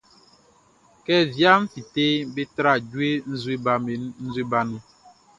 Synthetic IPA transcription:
kɛ˦vja˦ɱ̩˦fi˨te˦be˦tɾa˦˨d͡ʒwe˦n̩˦zwe˦ba˨me˨n̩˦zwe˦ba˦ni˦

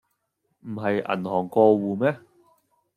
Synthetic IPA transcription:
m̩˨˩ɦɐ˨jʔɐ̰˨˩nhɔː˨˩ŋkɔː˧wuː˨mɛː˥

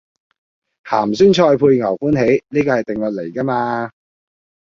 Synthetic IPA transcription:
ha̰ː˨˩msyː˥nt͡ʃʰɔː˧jpʰuː˧jŋɐ˨˩wfuː˥nɦe˨˥jniː˥kɔː˧hɐ˨jt̪ɪ˨ŋlɵ˨˩t̚le˨˩jka˥maː˧

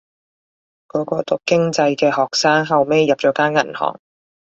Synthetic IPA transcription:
kɔː˨˥kɔː˧t̪ʊ˨˩k̚kːɪ˥ŋt͡sɐ˧jkɛː˧hɔː˨k̚saː˥ŋɦɐ˨wme˥˧jːɐ˨p̚t͡ʃɔː˨˥kaː˥nŋɐ̰˨˩nhɔ̰ː˨˩ŋ

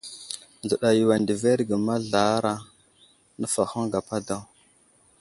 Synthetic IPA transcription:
n˨ə˨ɗa˨ji˨wa˨ndi˨ve˦ɾɡə˨ma˦ɮa˨˦ɾa˦ | nə˦fa˨xu˦ŋɡa˨pa˦da˦w

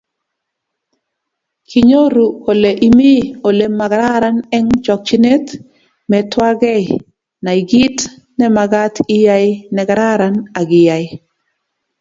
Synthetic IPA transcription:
kʰi˨ɲo˦ɾu˨ko˨le˨ʔi˨mi˦o˨le˨ma˨ɡɾa˦ɾa˦nɛ˦ŋt͡ʃɔ˨k̚t͡ʃi˦ne˦t | mɛtwa˦ɡɛ˦ | na˨i˨ɡi˦t | nɛ˦ma˨ɡa˦ti˦ja˦jɪnɛ˨ɡɾa˦ɾana˨ɡɪ˨ja˨ɪ˦

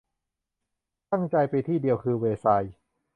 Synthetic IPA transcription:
t̪a˥˩ŋt͡ɕa˧jpa˧jt̪ʰiː˥˩di˧əwkʰɯː˧weː˧sa˧j

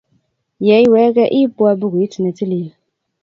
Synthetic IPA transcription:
jɛ˨˦i˦wɛː˨˦ɡɛ˦ʔi˦pʊ˦a˧bu˦ɡʊ˨i˦ti˨nɛ˨ti˦li˨

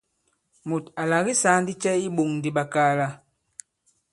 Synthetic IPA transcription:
mu˨ta˨la˨ɣi˦sa˨˦n˦di˦t͡ʃɛ˦i˦ɓo˨ŋn˨di˨ɓa˨kaː˦la˦

